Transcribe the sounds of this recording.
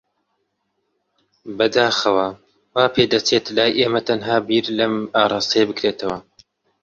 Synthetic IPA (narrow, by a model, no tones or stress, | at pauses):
bɐd̪aːxɐwɐ | waːpʰeːd̪ɐt͡ʃʰeːt̪laːjʔeːmɐt̪ʰɐnɦaːbiːɾlɐmaːɾˤɑːst̪ijɐbɨkɾeːt̪ʰɐwɐ